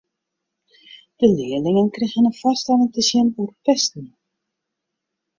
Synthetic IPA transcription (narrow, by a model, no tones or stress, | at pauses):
d̥əlɪːəlɪŋənkreɣənənfastaləŋtəsjɪnurpɛstən̩